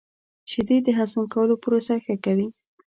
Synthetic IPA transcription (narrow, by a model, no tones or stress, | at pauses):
ʃɪd̪id̪əɦasmkawəlopəɾosaxəkawi